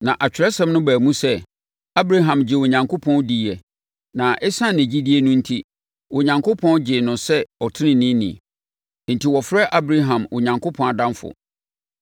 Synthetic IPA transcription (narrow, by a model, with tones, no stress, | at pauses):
nã˨ʔa˨t͡ɕᶣɪ˨ɾɛ˦sɛ̃˦mnʊ̃˦bæː˨mũ˦sɛ˦ | a˦bɾa˦ɦã˨md͡ʑɪ˨wo˨ɲã˨ŋkʰʊ˦pʰɔ̃˦ndi˦˨ɛ˨ | nã˨ʔɛ˦sã˦nɪ̃˨d͡ʑi˦di˦e˦nũ˦n̩˦tʰi˦ | wʊ˨ɲã˨ŋkʰo˦pʰɔ̃˦nd͡ʑɪ˨nʊ̃˨sɛ˦ɔ˨tʰɪ˦nɪ̃˨nĩ˦nḭ̃˨ | n̩˨tʰi˨wɔ˨fɾɛ˦ʔa˦bɾa˦ɦã˨mwʊ̰˨ɲã˨ŋkʰʊ˦pʰɔ̃˨a˨dã˦nfʊ̰˨